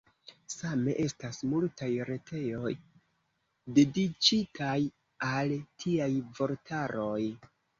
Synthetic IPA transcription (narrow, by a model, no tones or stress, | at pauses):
same̞ʔe̞stasmultajɾe̞tʰe̞jo̞j | de̞dit͡ʃitʰaj | altʰiajvo̞ɾtʰaɾo̞j